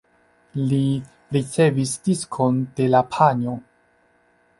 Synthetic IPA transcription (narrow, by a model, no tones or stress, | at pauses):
li | ɾit͡se̞visd̥iskʰo̞nd̥e̞lapʰaɲo̞